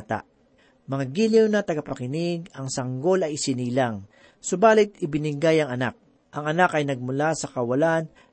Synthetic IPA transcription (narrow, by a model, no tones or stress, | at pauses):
t̪a̰ʔ | mɐŋaɡilɪwnɐt̪ɐɡapɐkɪnɪɡɐŋsɐŋɡo̞lɐjɪsɪniːlaŋ | sʊbaːlɪt̪̚ɪbɪnɪɡajɐŋɐnak̚ | ʔɐŋɐnakɐjnɐɡ̚mʊlasɐkɐwɐlan